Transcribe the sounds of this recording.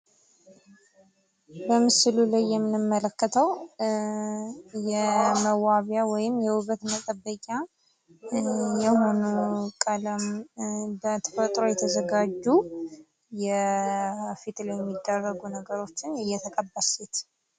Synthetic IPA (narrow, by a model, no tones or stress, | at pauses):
bəmɨsɨlulajːɛmːɨnɨmːələkːət̪ʰəw | jɛməwaβjawɔjɪmjɛwʊɡət̪mət̪ʼəbːəkʲʼa | jɛho̞nukʼələm | bət̪ʰə̥fət̪ʼɾo̞jɛt̪ʰəzəɡad͡ʒːu | jɛ | fit̪ʼljɛmːid̪ːərːəɡunəɡəɾo̞t͡ʃːɪnɨjːɛt̪ʰəkʼəbːəset̪